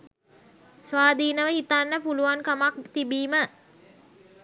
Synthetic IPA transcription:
sʋaːd̪iːnəʋəhit̪anːəpuluʋaŋkamak̚t̪ibiːmə

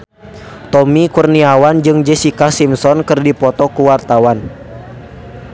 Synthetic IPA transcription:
t̪ɔmikurniawand͡ʒɨŋd͡ʒɛsikasimsɔnkɨrdipɔt̪ɔkuwart̪awan

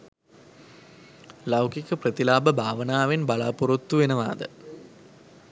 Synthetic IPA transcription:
lɐwkikəprɐt̪ilaːbəbʱaːʋənaːʋenbaɭa̰ːpuɾot̪ːuʋenəʋa̰ːd̪ə̰

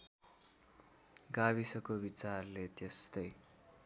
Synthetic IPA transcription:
ɡaβisʌkobit͡sarlet̪est̪ʌj

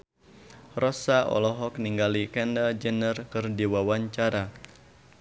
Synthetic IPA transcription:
rɔsaʔɔ̰lɔɦɔk̚niŋɡalikɛndad͡ʒənərkɨrdiwawaɲt͡ʃaɾa

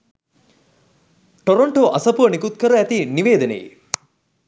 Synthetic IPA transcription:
ʈoɾoɳʈoʔasɐpuənikut̪kəɾəæt̪iniʋeːd̪ənḛjḭ

